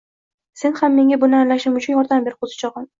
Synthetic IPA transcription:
se̞nhamːe̞ŋʲabʊnɪanlaʃɪmʊt͡ʃʰʊnjɒɾd̪ambe̞ɾɪqʰozɪ̥t͡ʃʰɒʁɪn

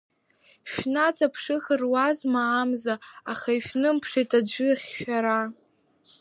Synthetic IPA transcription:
ʃᶣnat͡sʼapʰʂɨxɨrwazmaːmzaːχaiʃnɨmpʰʂetʰʼad͡ʒʷɨχʲʃᶣaɾa

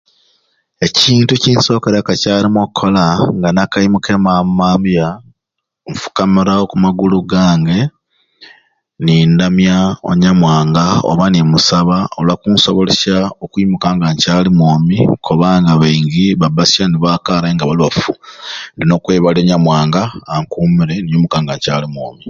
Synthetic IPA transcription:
e̞ciːntuciːnso̞ːkeɾakacaːlimokʰːolaŋɡanakajimuke̞mamaːmbja | ɱfu̥kamiɾaokumaɡuluɡaːŋɡe̞ | nindamjao̰ɲamwaːŋɡao̰βanimusaβaolwakuːnso̞̰βoleʃaokuimukaːŋɡaɲcaːlimwoːmikʰoβaŋɡaβeiŋɡiβabasjaniβaːkaɾeŋɡaβaliβafundino̞kweːβaloːɲamwaːŋɡaːŋkumiɾenijumukaːŋɡaɲcaːlimwo̰ːmi

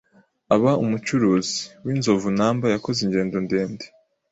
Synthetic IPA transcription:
aβaumut͡ʃuɾuːzi̥wiːnzo̞vunaːmbajako̞ziɲɟe̞ːndo̞nde̞ːnde̥

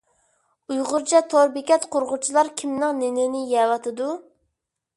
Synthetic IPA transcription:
ujʁʊɾt͡ʃʰɛt̪ʰoɾbɪkʲɛt̪qʰoɾʁʊt͡ʃʰilˠɑɾkʲʰimnɪŋnɪnɪnɪjɛwɑt̪ʰɨd̪u

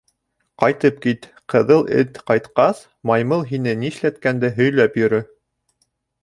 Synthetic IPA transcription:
qɑjt̪ɤp̚kit̪ | qɤ̆ðɤlˠɘ̰t̪qɑjt̪qɑs | mɑjmɤlˠɦinɘniɘ̆ʃlæt̪kænd̪æɦɵ̆jlæpjɵ̆ɾɵ

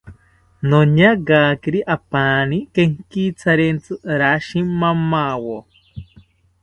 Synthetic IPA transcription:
noɲaɡakiɾiʔapanikeŋkit͡sʰaɾent͡sɨɾaʃimːamawo

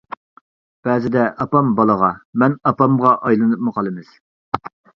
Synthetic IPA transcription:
b̥ɛːzɪd̪ɛʔɑpɑmbɑlˠəʁɑmɛnɑpɑmʁɑʔɑjlˠɨnɨp̚mɨqʰɑlˠɨmɨz̥

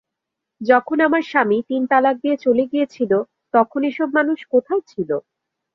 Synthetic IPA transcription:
d͡ʑɔkʰonamaɾʃamit̪int̪alak̚d̪iet͡ɕoleɡijet͡ɕʰilo | t̪ɔkʰoneʃɔbmanuʃkot̪ʰaet͡ɕʰilo

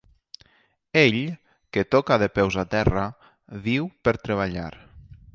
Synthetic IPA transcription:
eʎ | ket̪ɔkaðepɛwzat̪ɛra | βiwpəɾt̪ɾeβ̞aʎa̰ɾ

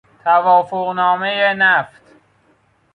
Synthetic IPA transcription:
t̪ʰævɒːfoɣnɒːmejenæft̪

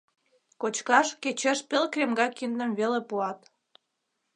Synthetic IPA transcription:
kot͡ɕkɑʃket͡ɕeʃpelkrʲemɡɑkind̪ə̆mβelepuɑt̪

